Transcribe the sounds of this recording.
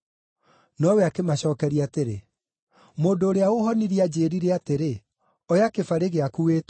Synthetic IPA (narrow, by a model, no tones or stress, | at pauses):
nɔwɛakemaɕɔːkɛɾiateɾḛ | moːndoːɾeaoɦɔniɾiad͡ʑeːɾiɾeateɾe | ɔjakefaɾeɣeakuet